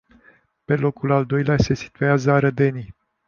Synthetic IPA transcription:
pe̞lo̞kulald̪o̞jlease̞si̥t̪uazəaɾəd̪e̞ni

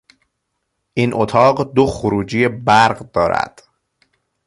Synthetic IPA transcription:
ʔinʔot̪ʰɒːɢd̪oxoɾuːd͡ʒijebæɾɢd̪ɒːɾæ̰d̪̥

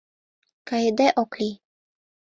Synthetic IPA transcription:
kajed̪ɛʔɔkli

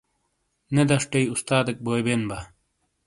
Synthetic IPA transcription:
ned̪ɐʂʈɐjust̪aːd̪ɐk̚boːjbenba

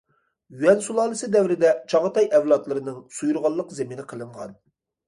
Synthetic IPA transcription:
jyɛnsulˠɑːlˠɨsɨd̪ɛwɾɪd̪ɛt͡ʃʰɑʁət̪ɑjɛwlˠɑt̪lˠɨɾɨnɨŋsujuɾʁɑlˠːəqzeminɪqʰəlˠɨɴʁɑ̰n

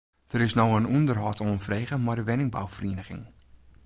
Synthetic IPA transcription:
d̥əɾɪsnowənuəndərɦɔtʰoənfreːɣəmardəʋɪnɪŋba̰wfriənəχɪ̰ŋ

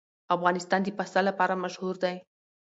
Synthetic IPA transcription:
afɣɑnɪst̪ɑnd̪əpasalapɑɾamaʃhuɾd̪aj

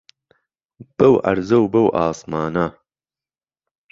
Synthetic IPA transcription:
b̥ɐwʔɐ̰ɾzɐwbɐwʔaːsmaːnɐ

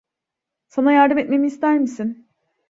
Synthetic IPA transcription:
sanajaɾd̪ɯmet̪̚me̞miːst̪ʰæɾmisin

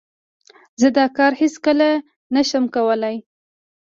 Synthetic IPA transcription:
zəd̪ɑkɑɾhiskəla | naʃəmkawəlaj

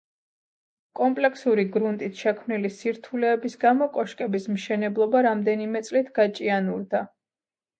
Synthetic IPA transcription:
kʼɔmpʼlɛkʰsuɾiɡɾunt̪ʼit̪ʰʃɛkʰmnilisiɾt̪ʰulɛːbisɡamɔkʼɔʃkʼɛbismʃɛnɛblˠɔbaɾamd̪ɛnimɛt̪sʼlit̪ʰɡ̥at͡ʃʼianuɾd̪a

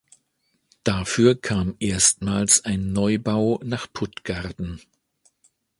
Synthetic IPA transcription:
d̥afyːɐkʰaːmʔeːɐstmaːlsaɪnːɔʏbaʊnaːχpʰʊtɡ̥aʁtn̩

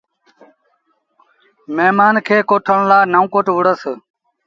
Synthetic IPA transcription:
meːmaːnkʰeːkoːʈʰəɳ̃laːnəũːkoːʈʋʊɽəs

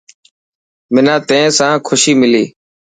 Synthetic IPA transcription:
mɪnãːt̪ẽːsãːkʰʊʃiːmɪliː

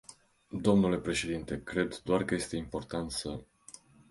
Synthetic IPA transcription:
d̪o̞mnule̞pɾe̞ʃe̞d̪int̪e̞kɾe̞d̪d̪oarkəje̞st̪e̞impo̞rt̪ant̪sə

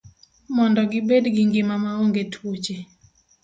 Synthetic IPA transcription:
mɔndɔɡɪbedɡiŋɡɪmamaoŋɡetʰwot͡ʃe

